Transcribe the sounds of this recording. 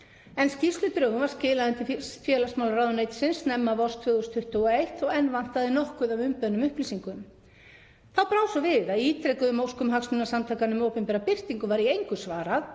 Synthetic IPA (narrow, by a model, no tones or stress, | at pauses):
ɛnscist̪lʏt̪ɾœːɣʏnvaɾscɪːlaðɛnt̪ɪffjɛːlasmawlraːwðʏnejt̪sɪnsnɛmːavɔst̪vʏːɣust̪ʰʏht̪ʏɔejht̪ɔɣɛnvan̥t̪aðɪnɔhkʏðavʏmpʏðnʏmʏhplisiŋkʏm | θaðpɾawsɔvɪðaðiiːt̪ɾɛkʏʏmowskʏmɦaksnʏnasamt̪ʰaːkanʏmowpɛmpɛːɾapɪr̥t̪iŋkʏvaɾiejŋkʏsvaːɾað